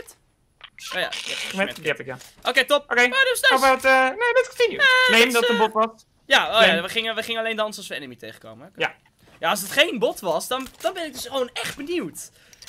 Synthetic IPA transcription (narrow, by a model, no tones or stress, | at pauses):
t | oja̰ɛɛɛiɛpɪkjaʔokejtop̚okejodɔsaɔpatənedɛtkətinjuamemdɔtəbɔtʋɑs | jaoːjaʋəχɪŋəʋəχɪŋəɑlejndɑnsɑsʋəɛ̰nəmitejχə̥ko̰wməja | jaɑsdətχejnbɔtʋɑsdɑnd̥ɑnbɛnɪɡ̚døsχʋownɛχd̚bəniwt